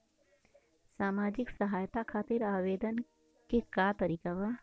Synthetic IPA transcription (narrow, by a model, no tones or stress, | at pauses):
saːmaːd͡ʒɪksəɦaːjt̪akʰaːt̪ɪɾaːʋeːd̪ən | kekaːt̪əɾiːkaʋa